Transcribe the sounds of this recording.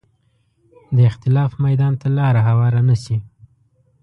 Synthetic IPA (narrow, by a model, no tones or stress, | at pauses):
d̪əɪxt̪ɪlɑfmajd̪ɑnt̪alɑɾaɦawɑɾanasi